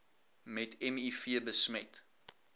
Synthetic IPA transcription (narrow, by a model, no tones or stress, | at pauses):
mɛtɛmifiəbəsmɛt